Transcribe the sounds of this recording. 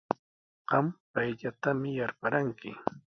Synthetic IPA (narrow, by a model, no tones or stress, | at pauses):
ɢɑmpajʎat̪amɪjaɾpaɾaŋkɪ̰